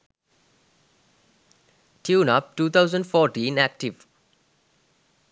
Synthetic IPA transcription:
tʰjuːnap̚ʈuːt̪ʰaʊzə̃ndfɔːʈĩnæk̚ʈiv

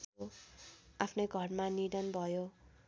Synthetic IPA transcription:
o | apʰnʌjɡʱʌrmaniɽʌnbʱʌjo

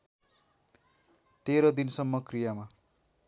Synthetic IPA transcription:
t̪eɾʌd̪insʌmːʌkrijama

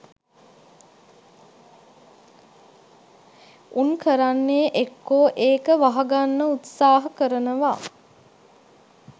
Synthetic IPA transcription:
unkəɾanːeʔekːoːʔeːkəʋaɦɐɡanːəut̪saːɦɐkəɾənəʋaː

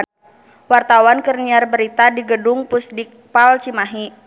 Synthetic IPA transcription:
wart̪awankərniarbəɾit̪adiɡədʊŋpusdɪk̚palt͡ʃimaɦi

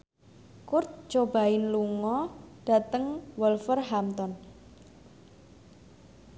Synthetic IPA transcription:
kʊrt̪̚t͡ʃob̥a̤ɪnluŋɔɖ̥a̤t̪əŋwəlfərɦamt̪ɔn

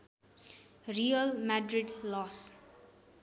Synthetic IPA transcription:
ɾiəlmaɖɾɪɖlɔːs

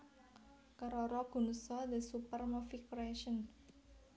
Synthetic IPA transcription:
kəɾɔɾɔɡ̥ṳnusɔd̪əsupərmɔfikɾɛʃən

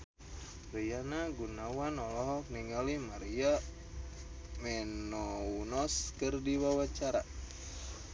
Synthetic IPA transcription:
rijanaɡunawanɔlɔɦɔkniŋɡalimaɾia | mɛnɔunɔskɨrdiwawat͡ʃaɾa

